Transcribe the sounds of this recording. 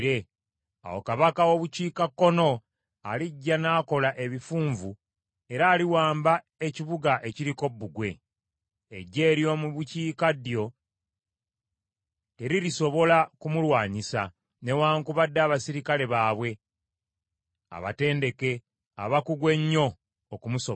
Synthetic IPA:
ɾe | a̰wo̞̰kaβakawo̞βuciːkakːo̞no̞ | a̰liɟːanaːko̞laʔe̞βifuːɱvu | e̞ɾaːliwaːmba | e̞ciβuɡaʔe̞ciɾiko̞bːuɡwe̞̰ː | ɟːe̞ːɾjo̞muβuciːkadjo̞ | teɾiɾiso̞βo̞lakumulwaːɲisa̰ | ne̞waːŋkuβadːaːβasiɾikale̞βaːβwe̞ | a̰βa̰te̞ːnde̞ke̞ | a̰βakuɡwe̞ɲːo̞ː | kumuso

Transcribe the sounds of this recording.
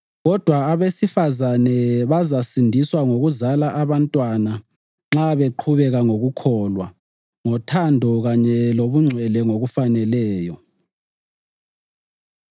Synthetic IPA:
ɣɔd̥ʱwaːβesifazanɛβazasindʱiswaŋoɣuzalaʔaβantʼwana | ŋ͡ǁaβeǃʰuβɛɣaŋoɣukʰɔlwa | ŋɔtʰandʱɔɣaɲɛloβuŋ͡ǀʱwɛlɛŋoɣufanɛlɛːjɔ

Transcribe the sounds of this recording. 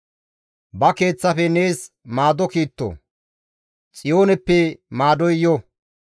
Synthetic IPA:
bɐke̞ːt͡sːɐfɛne̞ːs | maːd̪ɔkiːt̪ːo̰ | t͡sʼɪjo̞ːnɛpːɛmaːd̪ɔjjɔ

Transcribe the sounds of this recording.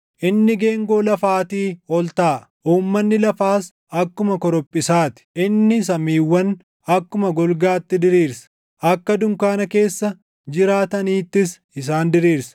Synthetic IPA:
ʔɪnːɪɡe̞ːŋɡoːlɐfaːt̪iːɔlt̪aː | ʔuːmːɐnːɪlɐfaːs | ɐkːʊmɐkɔɾɔpʼːɪsaːt̪ɪ̥ʔɪnːɪs̬ɐmiːwːɐn | ɐkːʊmɐɡɔlɡaːt̪ːɪd̪ɪɾiːɾsɐ̥ | ʔɐkːɐd̪ʊŋkaːnɐke̞ːsːɐ | d͡ʒɪɾaːt̪ɐniːt̪ːɪs | ɪs̬aːnd̪ɪɾiːɾsɐ̥

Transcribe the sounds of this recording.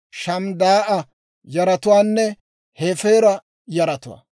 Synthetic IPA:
ʃɐmd̪aːʔɐ | jɐɾɐt̪ʊwaːnːɛ | heːfeːɾɐ | jɐɾɐt̪ʊwa̰ː

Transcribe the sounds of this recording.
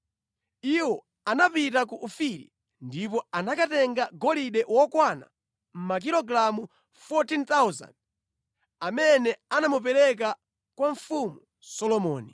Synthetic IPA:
iwɔ | anapit̬akuʔufiɾḭ | ndipɔanakatɛŋɡaɡɔliɗɛwɔkwana̰ | m̩mak̬ilɔɡɾamu | fɔtint̪awza̰nd | amɛnɛanamup̬ɛɾɛk̬a | kwaɱfumu | sɔlɔmɔ̰ːni

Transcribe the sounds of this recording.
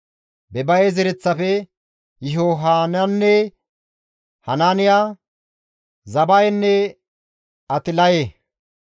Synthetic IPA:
bɛbɐjɛzɪɾɛt͡sːɐfɛ | jɪɦoːɦaːnɐnːɛ | hɐnaːnɪjaː | zɐbɐjnːɛ | ɐt̪ɪlɐjeː

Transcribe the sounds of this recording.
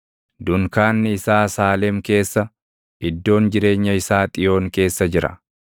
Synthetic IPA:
d̪ʊŋkaːnːɪɪsaːsaːlɛmke̞ːsːɐ | ʔɪd̪ːo̞ːnd͡ʒɪɾe̞ːɲːɐɪsaːt̪ʼɪjo̞ːŋke̞ːsːɐd͡ʒɪɾɐ̰

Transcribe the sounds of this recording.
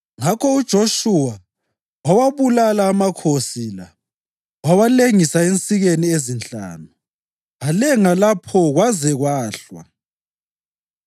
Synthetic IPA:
ŋakʰɔud̥ʒ̥ʱoʃuwa | wawaβulalaːmakʰosila | wawaleŋisaent͡sʼiɣeniezint͡ɬʼa̰ːnu | alɛŋalapʰɔɣwazɛɣwaːɬwa̰

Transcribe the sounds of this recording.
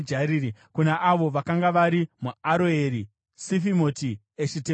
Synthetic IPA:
d͡ʒaɾiːɾikunaʔaʋo̞ʋakaŋɡaʋaɾimuaɾoeɾi | sifimoti | eʃite

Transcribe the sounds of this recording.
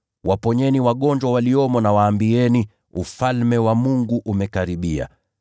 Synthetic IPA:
wʔapɔɲɛniwaɠɔɲd͡ʒwawaliɔmɔnawaːmbiɛni | ufalmɛwamuŋɡuʔumɛkaɾiɓia̰

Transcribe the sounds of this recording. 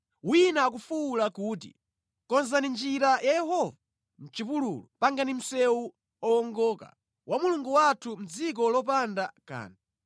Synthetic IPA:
winaːk̬ufuːlakuːt̬ḭ | kɔnzanind͡ʒiɾajajɛhɔva | m̩t͡ʃipululupaŋɡanim̩sɛwu | ɔɔŋɡɔːka̰ | wʔamuluŋɡuwatʰum̩d͡zik̬ɔlɔp̬andaka̰ːna

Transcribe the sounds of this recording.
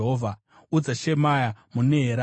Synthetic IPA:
ɦovʱa | ud͡zaʃemajamuneɦeɾa

